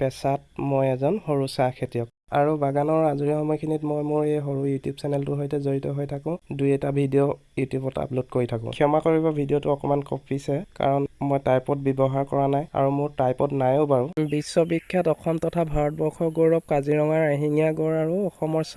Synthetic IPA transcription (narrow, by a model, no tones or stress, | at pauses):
pɛsatmojɛzɔnhoɹusakʰetijɔk̚ | a̰ɹubaɡanɔɹazuɹixɔmɔjkʰinitmɔjmʊɹejɦoɹujutjubsɛnɛltʊɦojtɛzoɹitɔɦojtʰakʊ̃dujɛtabʱidio | jutjubɔta̰plotkoɹitʰakʊ̰̃kʰiɔmakoɹibɔbʱidiotuɔkɔmankɔpʰisɛka̰ɹɔnmojtajpɔt̚bɛbɔɦaɹkɔɹanaja̰ɹumʊɹtajpɔtnajoʊbaɹubisːɔbikʰːjatɔkʰɔmtɔtʰabʱaɹɔt̚bɔɹkʰɔɡoɹɔp̚kaziɹɔŋaɹaɦiŋijaɡɔɹaɹuɔxɔmɔɹsa